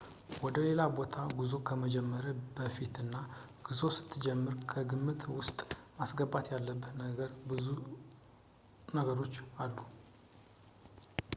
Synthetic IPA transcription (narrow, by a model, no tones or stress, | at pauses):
wɔd̪əle̞labo̞t̪ʰaɡuzo̞kʰəməd͡ʒɛmːəɾəbəfit̪ɨnːa | ɡ̥ɨzo̞sɨ̥t̪ʰːɨd͡ʒɛmːɨɾkʰəɡɨmːɨt̪wʊst̪ʼmasɡəbːat̪jalːəbːənəɡəɾbɨzu | nəɡəɾo̞t͡ʃːalːu